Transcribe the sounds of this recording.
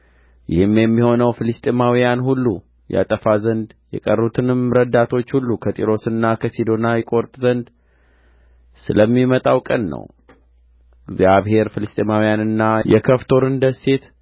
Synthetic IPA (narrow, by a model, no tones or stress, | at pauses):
jɪhɨmjɛmːiho̞nəwfɨlɨst̪ʼemawijanhulːu | ja̰t̪ʼəfazənd̪jɛ̰kʼərut̪ʰɨnɨmɾəd̪at̪ʰo̞t͡ʃːhulːukʰət̪ʼiɾo̞sɨnːakʰəsid̪o̞najɪkʼo̞ɾt̪ʼzənd̪ | sɨləmːimət̪ʼawkʼənːə̰w | ɡzjaβhe̞ɾfɨlɨst̪ʼemawijanɨnːajɛkʰəft̪ʰo̞ɾɨnd̪əse̞t̪